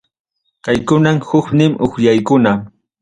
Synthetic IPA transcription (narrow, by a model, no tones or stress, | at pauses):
kajkʊnamhʊknɪmʔʊxʎajkʊna